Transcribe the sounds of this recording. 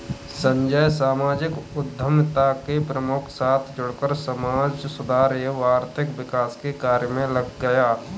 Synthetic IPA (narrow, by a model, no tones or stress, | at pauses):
sə̃ɲd͡ʒəjsaːmaːd͡ʒɪkʊd̪ʱːəmt̪akepɾəmʊkʰsaːt̪ʰd͡ʒʊɽkəɾsəmaːd͡ʒsʊd̪ʱaːɾeʋaːɾt̪ʰɪkʋɪkaːskekaːɾjəmẽləɡːəjaː